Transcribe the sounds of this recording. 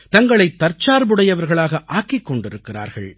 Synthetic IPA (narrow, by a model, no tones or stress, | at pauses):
t̪ɐŋɡɐɭɐɪt̪ːɐɾt͡ʃːaːɾbɯɽɐjɐʋɐɾɣɐɭaːɣɐʔaːkɪkːɔɳɖɪɾɯkːɪra̰ːɾɣɐ̰ɭ